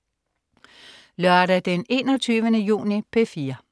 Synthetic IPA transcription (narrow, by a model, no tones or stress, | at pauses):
lœɐɾ̥æd̥ene̝̰ːnɒt͡sʰyːʋənəjṵːnipʰe̝fiːɐ